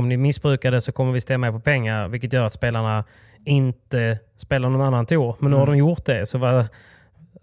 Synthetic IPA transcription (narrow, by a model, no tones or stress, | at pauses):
ɔmnɪmɪsːbɾʉ̟ːkad̪əsɔkʰɔmːəɾvɪst̪ɛmːaɛpʰɔpʰɛŋːaɾvɪlkːət̪jœːɾat̪speːlaɳa | ɪnt̪ə | speːlaɳɔnanːant̪ʰuːɾmɛnːʉːhadɔmjʊɾt̪̚d̪ɛsɔva